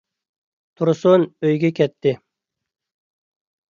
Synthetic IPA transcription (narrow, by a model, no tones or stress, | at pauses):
t̪ʰuɾsunøjɡʲɛkʲʰɛt̪ʰːɪ